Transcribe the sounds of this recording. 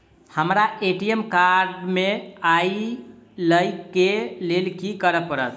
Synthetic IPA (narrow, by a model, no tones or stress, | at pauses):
həmɾaeʈiemkaɾɖmeajləjkelelkikəɾəpəɾət̪ʰ